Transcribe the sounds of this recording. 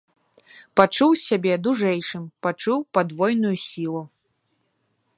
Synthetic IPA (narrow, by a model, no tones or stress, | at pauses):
pat͡ʂuwsʲabʲɛd̪uʐɛjʂɨmpat͡ʂuwpad̪vɔjnujusʲilˠu